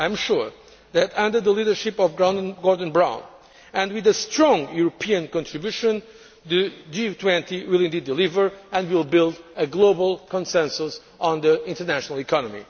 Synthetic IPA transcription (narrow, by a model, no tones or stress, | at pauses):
ãj̃mʃuɹ | ðɨtʌ̃ndə˞ðəlidə˞ʃɪpɔvɡɹãndnɡɔɹdn̩bɹãʊ̃n | ɨ̃ndwɪðəstɹɔ̃ŋɡjuɹɔpʰiɨ̃nkɔ̃ntɹibjuʃɨ̃n | ðɨd͡ʒit̪ʰwɛ̃ntiwɪlˠɪ̃ndid̪̚ːɨlivə˞ɛ̃ndwilˠbɪlˠd̪əɡlobəlˠkɔ̃nsɛ̃nsus | ɔ̃nðiɪ̃ntə˞næʃənəlˠikʰɑnəmḭ